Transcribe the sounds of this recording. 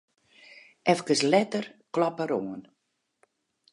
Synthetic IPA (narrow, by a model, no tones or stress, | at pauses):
ʔɛfkəslɛtərklɔpəɾoən